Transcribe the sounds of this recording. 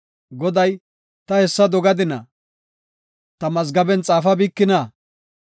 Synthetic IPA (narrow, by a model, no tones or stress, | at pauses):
ɡɔd̪ɐj | t̪ɐhɛsːɐd̪ɔɡɐd̪ɪnɐ | t̪ɐmɐzɡɐbɛnt͡sʼaːfɐbiːkːɪnɐ